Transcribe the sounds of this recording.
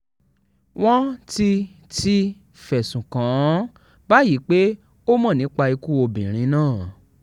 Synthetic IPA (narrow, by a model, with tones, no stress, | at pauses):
w̃ɔ̃˦ti˧ | ti˧ | fɛ˨sũ˨kã˨˦ | ba˦ji˨˦k͡pe˦ | o˦mɔ̃˦˨nĩ˨˦k͡pa˧i˧ku˦o˧bĩ˨ɾ̃ĩ˨˦nãː˦˨